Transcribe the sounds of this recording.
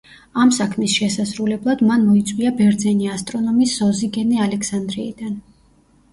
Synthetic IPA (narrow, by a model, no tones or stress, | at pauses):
amsakʰmisʃɛsazɾulɛblˠad̪manmɔit̪sʼwiabɛɾd̪zɛniast̪ʼɾɔnɔmiszɔziɡɛnialɛkʰsand̪ɾiḭd̪an